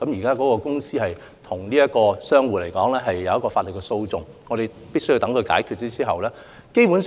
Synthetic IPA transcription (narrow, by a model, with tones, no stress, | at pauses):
kɐ˨˥mjiː˨˩kaː˥kɔː˨˥kɔː˧kʊ˥ŋsiː˥hɐ˨j | t̪ʰʊ˨˩ŋliː˥jɐ˥tkɔː˧sœː˥ŋwuː˨t̚le˨˩jkɔː˨˥ŋlɛː˥ɦɐ˨jːɐ˨wjɐ˥kːɔː˧faː˧tlə˨t̚kɛ˧so˧wt͡sʊ˨˩ŋ | ŋɔː˨˧ɾe˨j | pi˥sɵ˥ji˧wt̪ɐ˨˥ŋkʰɵ˧jka̰ː˨˥jkʰy˨˧t̚t͡siː˥t͡siː˥ɦɐ˨wlɛː˥ | ke˥jpuː˨˥n